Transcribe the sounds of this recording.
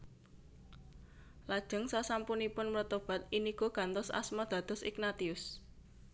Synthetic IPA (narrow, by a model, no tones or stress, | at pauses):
lad̥ʒ̥ə̤ŋsasampunipʊnmərt̪ob̥a̤t̪̚iniɡ̥o̤ɡ̥a̤nt̪ɔsa̰smɔd̪̥ä̤d̪̥ɔ̤sɪ̰knat̪iʊs